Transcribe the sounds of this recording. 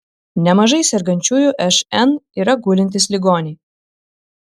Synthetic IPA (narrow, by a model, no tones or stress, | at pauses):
nʲɛmɐʒɐɪsʲɛɾɡɐnʲt͡ʃʲuːjuːʔɛʃɛniːɾɐɡuːlʲɪnʲt̪ʲɪslʲɪɡoːnʲɛ